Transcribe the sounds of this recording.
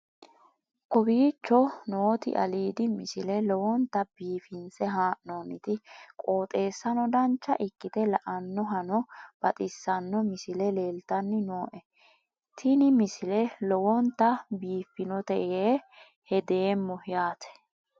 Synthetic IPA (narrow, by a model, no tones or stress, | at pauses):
kɔbiːt͡ʃːɔnoːt̪ɪ̰ʔɐ̰liːd̪ɪmɪsɪlɛlɔwɔnt̪ːɐb̥iːfɪnsɛɦaːʔnonɪt̪ɪkʼoːt̪ʼe̞ːsːɐnɔd̪ɐnt͡ʃːɐʔɪkːɪt̪ɛlɐʔɐnːɔɦɐnɔb̥ɐt̪ʼɪsːɐnːɔmɪsɪlɛleːlt̪ɐnːɪnoːʔɛ | t̪ʰɪnɪmɪsɪlɛlɔwɔnt̪ːɐbiːfɪnɔt̪ɛʔeː | hɛd̪eːmːɔhɪjaːt̪ʰɛ̥